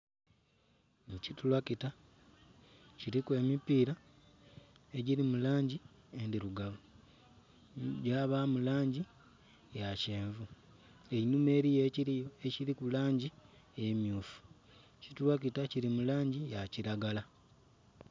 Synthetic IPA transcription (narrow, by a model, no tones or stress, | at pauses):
nicitulwakita | ciɾikwe̞ːmipiːɾa | eɟiɾimulaːɲɟi | endiɾuɡaβu | ɟaβamulaːɲɟi | jace̞ːɱvu | einume̞ːɾijeːciɾijoeciɾikulaːɲɟi | jemjuːfu̥ | citulwak̬itaciɾimulaːɲɟijaciɾaɡala